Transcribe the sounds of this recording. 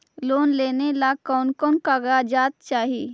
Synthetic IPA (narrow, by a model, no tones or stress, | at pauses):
loːnleːnelakɔːnkɔnkaɡad͡ʒaːt̪̚t͡ʃaːɦi